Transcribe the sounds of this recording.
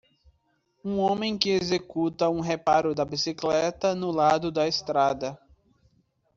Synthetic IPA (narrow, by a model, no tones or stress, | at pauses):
ũõmẽj̃kɪezekut̪ɐũɦepaɾʊd̪ɐbisiklɛt̪ɐnʊlad̪ʊd̪ɐest̪ɾad̪ɐ